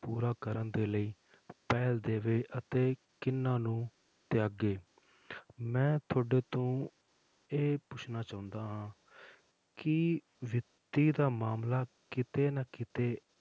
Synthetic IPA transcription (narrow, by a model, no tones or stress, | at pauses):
puːɾaːkəɾənd̪eːləiː | pɛːld̪eːʋeːʔət̪eːkɪnːãːnũː | t̪ɪjaːɡeː | mɛ̃ːt̪ʰoːɖeːt̪õː | eːpʊt͡ʃʰnaːt͡ʃaːʊ̃nd̪aːɦãː | kɪ | ʋɪt̪iːd̪aːmaːmlaːkɪt̪eːnaːkɪt̪eː